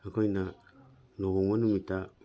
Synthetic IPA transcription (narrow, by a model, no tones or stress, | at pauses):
akojna | noɡomonumita